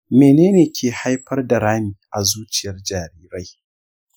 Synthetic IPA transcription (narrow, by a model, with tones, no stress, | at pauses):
meː˨neː˦neː˨kʲʰeː˨ha˦jɸɐ˦rda˨ɾaː˦miː˨ʔa˨zuː˦t͡ʃɪ˨jɐ˦rd͡ʒaː˨ɾiː˦ɾa˦j